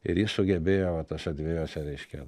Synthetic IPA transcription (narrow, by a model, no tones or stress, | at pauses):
ɪ̰ɾjɪssʊɡʲɛbʲeːjoːʋɐt̪ɐʃɐd̪ʲʋʲeːjoːsʲɛɾʲɛɪʃʲkʲɛ̰